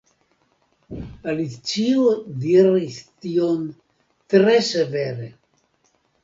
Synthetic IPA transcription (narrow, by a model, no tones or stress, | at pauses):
alit͡ʃiod̪iɾist̪ion | t̪ɾeseveɾe